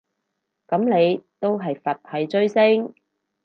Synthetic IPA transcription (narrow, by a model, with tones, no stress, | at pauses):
kɐ˨˥mne˨˧jt̪o˥wɦɐ˨jfɐ˨t̚ʰɐ˨˧jt͡ʃɵ˥ɥsɪ˥ŋ